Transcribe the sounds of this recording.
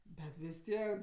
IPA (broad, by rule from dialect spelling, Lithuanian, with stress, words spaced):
bʲɛt ʋʲɪs ˈtʲiɛk